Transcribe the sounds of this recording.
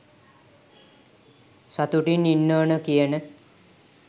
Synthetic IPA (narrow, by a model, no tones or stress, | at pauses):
sat̪uʈininːoːnəkijənə